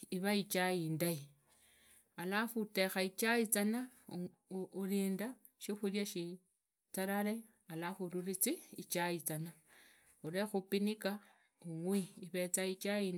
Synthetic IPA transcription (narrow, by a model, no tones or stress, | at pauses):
iβait͡ʃajindai | alafute̞xait͡ʃait͡sana | uliːnda | ʃixuljaʃi | t͡saɾaɾe | alafuluɾit͡siit͡ʃait͡sana | uɾexupinika | uŋwiːβe̞t͡sait͡ʃain